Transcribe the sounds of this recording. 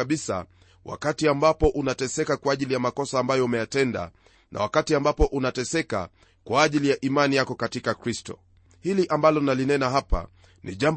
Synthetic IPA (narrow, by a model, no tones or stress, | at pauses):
aɓisa̰ | wʔa̰katiambapɔʔunatɛsɛkakwaːʄilijamakɔsaːmbajɔumɛjatɛnda̰ | nʔa̰wakatiambapɔʔunatɛsɛka̰ | kwaːʄilijaʔimanijakɔkatikakɾistɔ̰ | hiliʔambalɔnalinɛnaɦapa̰ | nʔḭʄam